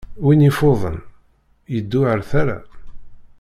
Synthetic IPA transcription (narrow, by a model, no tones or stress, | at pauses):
winifoðˤə̰n | jəd̪ːʊʕəɾθaɾa̰